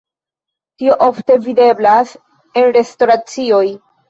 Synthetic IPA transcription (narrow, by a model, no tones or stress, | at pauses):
tio̞ʔo̞fte̞vide̞blas | e̞nɾe̞sto̞ɾat͡sio̞j